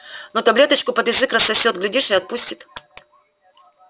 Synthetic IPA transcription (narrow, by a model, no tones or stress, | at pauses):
not̪ɐblʲe̞t̪ət͡ɕkʊpəd̪jɪzɨkrəsːɐsʲo̞t̪ɡlʲɪdʲiʂɨɐt̪̚pusʲtʲɪ̥t̪